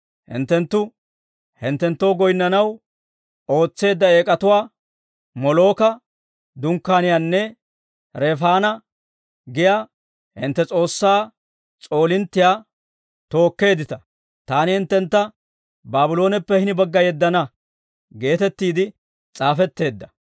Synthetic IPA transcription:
hɪ̰nt̪ːɛnt̪ːʊ | hɪnt̪ːɛnt̪ːo̞ːɡɔjnːɐnɐw | o̞ːt͡sːe̞ːd̪ːɐe̞ːkʼɐt̪ʊwaː | mɔlo̞ːkɐ | d̪ʊŋkːaːnɪjanːɛ | ɾɛfaːnɐ | ɡɪjaː | hɪ̰nt̪ːɛt͡sʼo̞ːsːaː | t͡sʼo̞ːlɪnt̪ːɪjaː | t̪o̞ːkːe̞ːd̪ɪt̪ɐ | t̪aːnɪhɪnt̪ːɛnt̪ːɐ | baːbɪlo̞ːnɛpːɛhɪnɪbɐɡːɐjɛd̪ːɐnɐ | ɡe̞ːt̪ɛt̪ːiːd̪ɪ | t͡sʼaːfɛt̪ːe̞ːd̪ːɐ

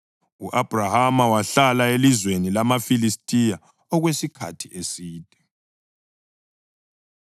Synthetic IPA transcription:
uʔab̥ʱrahamawaɬalaelizwenilamafilistʼija | ɔɣwesikʰa̰tʰiʔesiːd̥ʼʱɛ

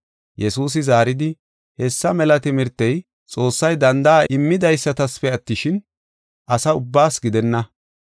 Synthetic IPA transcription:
jɛsuːs̬ɪzaːɾɪd̪ɪ | hɛsːɐmɛlɐt̪ɪmɪɾt̪ːɛj | t͡sʼo̞ːsːɐjd̪ɐnd̪ɐaʔɪmːɪd̪ɐjsːɐt̪ɐsfɛɐt̪ːɪʃɪn | ʔɐsɐʊbːaːsɡɪd̪ɛnːɐ

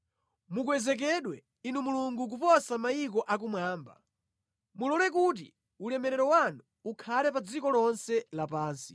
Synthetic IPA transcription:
muk̬wɛzɛk̬ɛɗwɛ | inumuluŋɡuk̬upɔsamajik̬ɔʔak̬umwaːmba̰ | mulɔnɛk̬ut̬ḭ | ulɛmɛɾɛɾɔwanuːkʰalɛpad͡zikɔlɔnsɛlapaːnsi̥

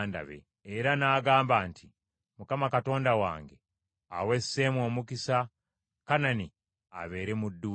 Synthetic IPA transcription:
nda̰βḛː | ɾanaːɡaːmbaːntʰi | mukamakato̞ːndawa̰ːŋɡe | a̰we̞sːemwo̞ːmukisa | kanani | a̰βe̞ːɾe̞mudːu

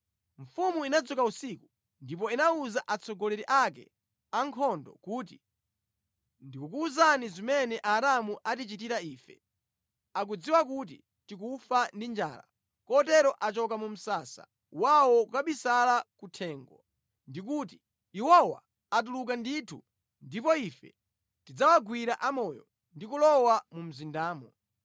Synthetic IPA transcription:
ɱ̩fumuinad͡zɔkausiku | ndip̬ɔinauzaʔat͡sʰɔɡɔlɛɾiʔak̬ɛ̰ | aŋkʰɔndɔ̰kuːt̬i | ndikukuːzanizimɛnɛʔaɾamuʔatit͡ʃitiɾaiːfɛ̰ | ak̬ud͡ziwakut̬i | tik̬ufandind͡ʒa̰ːla̰ | kɔtɛɾɔʔat͡ʃɔkamum̩saːsa̰ | wawɔkukaɓisalakutʰɛːŋɡɔ̰ | ndik̬uːt̬i̥ | iwɔwa̰ː | t̬uluk̬anditʰu | ndipɔifɛ̰ | tid͡zawaɡwiɾaʔamɔːjɔ̰ | ndikulɔwamum̩zindaːmɔ

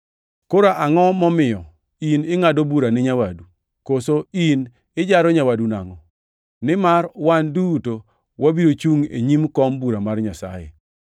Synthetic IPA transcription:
koɾaʔaŋɔmɔmɪjɔ | inɪŋadobuɾanɪɲawadu | kosoin | ɪd͡ʒaɾɔɲawaduna̰ŋɔ | nɪmarwanduto | wabiɾot͡ʃuŋḛɲimkɔmbuɾamarɲasa̰jḛ

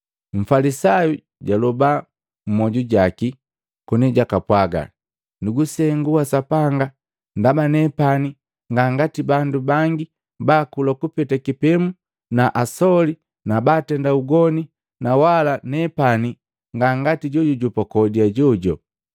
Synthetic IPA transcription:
ɱ̩falisaju | ɟalɔba | m̩mɔɟuɟaki | kuniɟakapwaɡa̰ | nuɡusɛŋɡuasapaŋɡa | ndabanɛpani | ŋɡaŋɡatibandubaŋɡi | baːkulakupɛtakipɛmu | naʔasɔli | nabaːtɛndauɡɔni | nawalanɛpani | ŋɡaŋɡatiɟɔɟɔɟupɔkɔdiaɟɔɟɔ

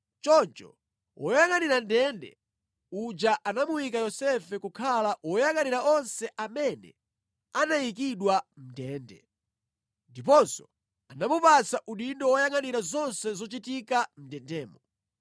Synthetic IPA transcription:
t͡ʃɔnt͡ʃɔ̰ | wʔɔjaŋaniɾandɛndɛ̰ | ud͡ʒaʔanamujikajɔsɛfɛkukʰalawɔjaŋaniɾaɔnsɛʔamɛnɛ̰ | anajik̬iɗwam̩ndɛːndɛ̰ | ndip̬ɔnsɔ̥̰ | anamupat͡saʔuɗindɔwɔjaŋaniɾazɔnsɛzɔt͡ʃitikam̩ndɛndɛːmɔ

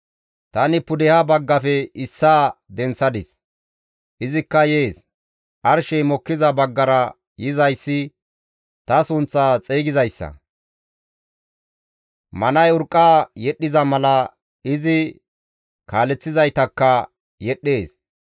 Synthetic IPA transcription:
t̪ɐnɪpʊd̪ɛhɐbɐɡːɐfɛɪsːaːd̪ɛnsɐd̪ɪs | ʔɪzɪkːɐjeːs | ʔɐɾʃɛjmɔkːɪzɐbɐɡːɐɾɐ | jɪzɐjsːɪ | t̪ɐsʊnt͡sːaːt͡sʼeːɡɪzɐjsːɐ̰ | mɐnɐjʊɾkʼːaːjɛɗːɪzɐmɐlɐ | ɪzɪ | kʰaːlɛt͡sːɪzɐjt̪ɐkːɐ | jɛɗːe̞ːs

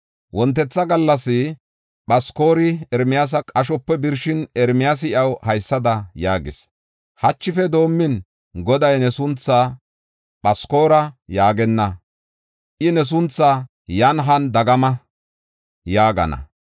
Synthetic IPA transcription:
wɔnt̪̬ːɛt͡sːɐɡɐlːɐsɪ | ɓɐsko̞ːɾɪɛɾmɪjaːs̬ɐkʼɐʃɔpːɛbɪɾʃɪnɛɾmɪjas̬ɪɪɐwhɐjsːɐd̪ɐjaːɡɪs | hɐt͡ʃːɪfɛd̪o̞ːmːɪn | ɡɔd̪ɐjnɛsʊnt͡sːaː | ɓɐsko̞ːɾɐjaːɡɛnːɐ | ʔɪnɛs̬ʊnt͡sːa | jɐnɦɐnd̪ɐɡɐmɐ | jaːɡɐ̰nɐ̰

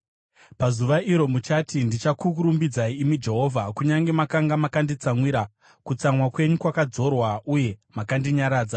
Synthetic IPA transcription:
pazuʋaiɾo̞mut͡ʃatindit͡ʃakukuɾumbid͡zaiːmid͡ʒe̞ɦo̞ːvʱakuɲaŋɡe̞makaŋɡamakandit͡samwiɾa | kut͡samwakwe̞ɲukwakad͡zo̞rwauje̞makandiɲaɾaːd͡za

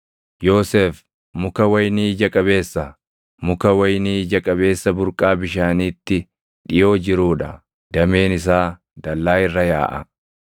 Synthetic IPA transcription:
jo̞ːseːf | mʊkɐwɐjniːd͡ʒɐkʼɐbe̞ːsːɐ | mʊkɐwɐjniːd͡ʒɐkʼɐbe̞ːsːɐbʊɾkʼaːbɪʃaːniːt̪ːɪ | ᶑɪjo̞ːd͡ʒɪɾuːᶑɐ | d̪ɐme̞ːnɪs̬aː | d̪ɐlːaːɪrːɐja̰ːʔɐ̰

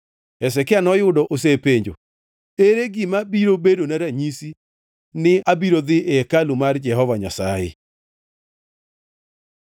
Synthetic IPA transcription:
ɛs̬ɛkɪanɔjʊdɔʔos̬epeɲd͡ʒo̰ | eɾeɡimabiɾobedonaɾaɲisi | nɪabiɾod̪ɪʔɛkalumard͡ʒɛhɔvaɲa̰saɪ̰

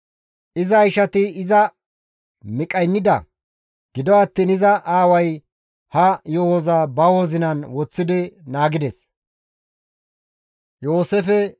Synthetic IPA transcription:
ʔɪzɐjʃɐt̪ɪɪzɐ | mɪkʼɐjnːɪd̪ɐ̰ | ɡ̥ɪd̪ɔɐt̪ːiːnɪzɐʔaːwɐj | hɐjohoːzaːbɐwoːzɪnɐnwɔt͡sːɪd̪ɪnaːɡɪd̪ɛs | jo̞ːseːfɛ

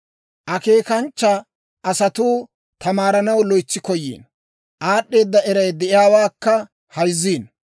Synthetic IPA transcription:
ʔɐke̞ːkɐnt͡ʃːɐ | ʔɐsɐt̪uː | t̪ʰɐmaːɾɐnɐwlɔjt͡sːɪkɔjːḭːn | ʔaːɗːe̞ːd̪ːɐɛɾɐjd̪ɛʔɪjaːwaːkːɐ | hɐjzːiːn

